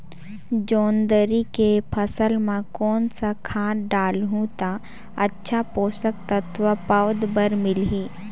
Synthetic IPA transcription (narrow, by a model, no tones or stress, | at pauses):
d͡ʒoːnd̪əɾikepʰəsəlmãkɔːnsakʰãːɖaːlɦũt̪a | ətːʃʰapoːsəkt̪ət̪ʰʋapəʋd̪bəɾmɪlɦiː